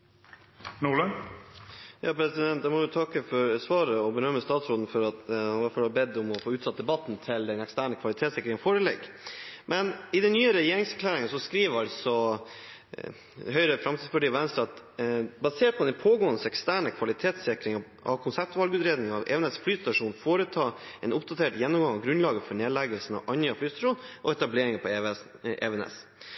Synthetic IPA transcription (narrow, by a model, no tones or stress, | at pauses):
nulən | jɑːpʰɾɛsɪd̪ɛnt̪d̪ɛmɔʋɪt̪ʰɑkːəfɔɾsʋɑːɾəɔbəɾœmːəst̪ɑːt̪sɾoːd̪n̩fɔɾɑt̪ɑʋɑɾfɔhɑbɛd̪ːɔmɔfoːʉːt̪sɑt̪̚d̪ɛbɑt̪ːnt̪ʰɪld̪ɛnɛkst̪æːɳəkʰʋɑlɪt̪ʰeːt̪sɪkɾɪŋfoːɾəlɛ̰ːɡ | mʔɛnɪd̪ɛnnːyːəɾɛjeːɾɪŋsækʰlæːɾɪŋənsɔskɾiːʋəɾɑlsɔ | ɦœʏɾəfɾɑmt̪ʰiːd̪spʰʊəʈiːɑʋɛnst̪ɑɑt̪ | bɑseːʈ̚pʰɔd̪ɛnpʰoːɡoːənəsɛkst̪æːɳəkʰʋɑlɪt̪ʰeːt̪sɪkɾɪŋɑ | ʔɑ̰ʋkʰʊnsæp̚t̪ʋɑlɡʉːt̪ɾeːd̪nɪŋɑʋɛ̰ːɛnɛsflyːst̪ɑʂuːnfoːɾət̪ʰɑːɛnʔʊpd̪ɑt̪ʰeːʈjɛnːɔmɡɑŋɑʋɡɾʉnlɑːɡəfɔɳeːlɛɡəlsn̩ɑ̰ʔɑnjøːflyːst̪ɑʂuːnʔɔɛt̪ɑbleːɾɪŋəpʰɔʔɛ̰ʋɛnɛ̰s